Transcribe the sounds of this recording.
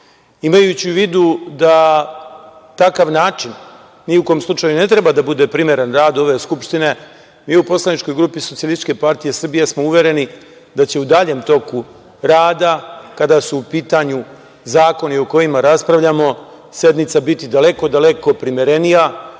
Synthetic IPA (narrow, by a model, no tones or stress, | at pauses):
imajut͡ɕiʋiːd̪ud̪a | t̪akaʋnaːt͡ʃinː | iukojmslˠut͡ʃajune̞t̪ɾe̞bad̪abud̪e̞pɾimʲje̞ɾenɾaːd̪o̞ʋe̞skupʃt̪ine̞ | miːupo̞slˠanit͡ʃko̞jɡɾuːpiso̞t̪sijalˠist̪i̥t͡ʃʃke̞paɾt̪ije̞sr̩bijesmouʋʲje̞ɾe̞ni | d̪at͡ɕe̞ud̪aʎe̞ːmt̪o̞ku | ɾaːd̪akad̪asuːpiːt̪aɲu | zaːko̞nio̞ko̞jimaɾaspɾaʋʎamo̞ | sje̞d̪nit̪sabit̪id̪ale̞ko̞d̪ale̞ko̞pɾimjeɾe̞nija